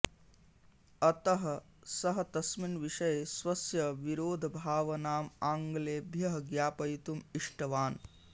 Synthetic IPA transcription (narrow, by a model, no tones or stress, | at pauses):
ɐt̪ɐɦɐ̆ | sɐɦɐt̪ɐsminʋiʂɐjesʋɐsjɐʋiɾoːd̪ʱbʱaːʋɐnaːmaːŋɡleːbʱjɐɦɐɡjaːpɐjt̪umiʂʈɐʋaːn